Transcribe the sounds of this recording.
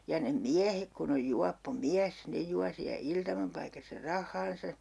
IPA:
jɑ ne miæhek kun oj juɑpːo miæs ne juɑ siæ iltɑmɑpɑikɑsːɑ rɑhˑɑːnsɑ

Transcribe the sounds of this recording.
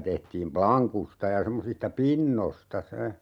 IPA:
tehtiːm plɑŋkustɑ jɑ semːosistɑ pinːostɑ se

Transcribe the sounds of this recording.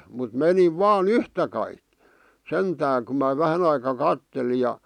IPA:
mut meniʋ ʋɑːn yhtæ kɑik̆ sentæː ku mæ ʋæhæn ɑikɑ kɑtːeli jɑ

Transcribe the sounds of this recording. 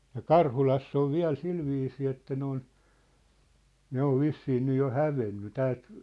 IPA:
jɑ kɑrhulɑsː oʋ ʋiæ̝l silʋiːsiː etːæ ne on ne oʋ ʋisːiː nyj jo hæʋenːy tæːlt

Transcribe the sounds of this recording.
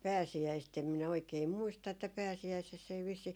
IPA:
pæːsiæist em minæ oikei muistɑ etːæ pæːsiæisesː ei ʋisːiː

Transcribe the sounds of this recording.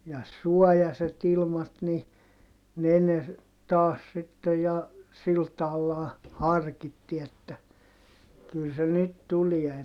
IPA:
jɑ suɔjɑset ilmɑt ni ne ne tɑːs sitːej jɑ sil tɑːlːɑː hɑrkitːi etːæ kyl se nyt tulie

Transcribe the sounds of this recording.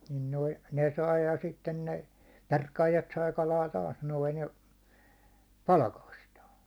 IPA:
nin noi ne sɑi jɑ sitːen ne perkɑːjɑt sɑi kɑlɑː tɑːs noin̞ jɑ pɑlɑkɑstɑː

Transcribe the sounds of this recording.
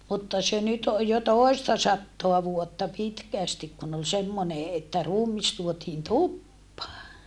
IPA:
mutːɑ se nyt oj jo toˑi̯stɑ sɑtːoɑ ʋuotːɑ pitkæˑstik kun ol semːone etːæ ruːmis tuotiːn tupːɑː

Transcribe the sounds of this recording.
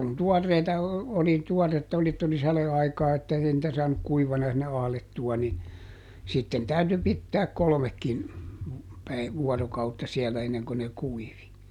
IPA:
kun tuɔrːeitɑ oli tuɔretːɑ oli etː oli sɑleɑikɑː etːæ ei nĭtæ sɑːnuk kuiʋɑnɑ sinːe ɑhletːuɑ ni sitːen tæyty pitːæːk kolŏmekːin pæi ʋuɔrokɑutːɑ siɛlæ enːeŋko ne kuiʋi

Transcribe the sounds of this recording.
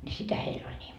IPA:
nʲi sitæ heil olʲ nʲiːm

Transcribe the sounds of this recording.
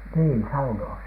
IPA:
niː sɑunoɑs

